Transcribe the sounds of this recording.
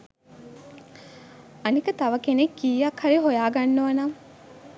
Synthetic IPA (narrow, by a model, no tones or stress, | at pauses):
ɐnikət̪ɐʋɐkenekːiːjɐkhɐɾiɦojaːɡanːɐʋɐnaŋ